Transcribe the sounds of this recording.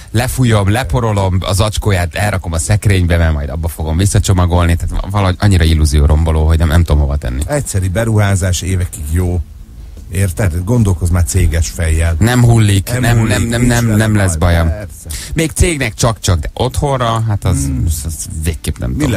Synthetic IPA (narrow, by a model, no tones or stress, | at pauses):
lɛfujo̞mlɛpo̞ɾo̞lo̞mɒ̰zɒt͡ʃkoːjaːt̪ɛlɾʔɒko̞mɒsɛkrɾeːɲbɛmɛrmɒjd̪ɒbːɒfo̞ɡo̞mvisːɒt͡ʃo̞mɒɡo̞lnit̪aːt̪vɒlɒɦoɟɒɲːiɾɒilːuzijoːɾomboloːɦo̞ɟnɛmnɛmt̪omɦo̞vɒt̪ɛ̰nːḭɛcsɛɾibɛɾuɦaːzaːʃeːvɛkiɡjoː | eːrt̪ɛt̪ɡo̞nd̪o̞lko̞zmaːrt̪seːɡɛʃfɛjːɛlnɛmɦulːiknɛmnɛmnɛmnɛmnɛmlɛsbɒjɒm | meːkt̪seːɡnɛkt͡ʃɒkt͡ʃɒɡ̚d̪ɛʔo̞t̪ho̞rɒɦat̪ɒzzveːkːeːpnɛ̰mt̪o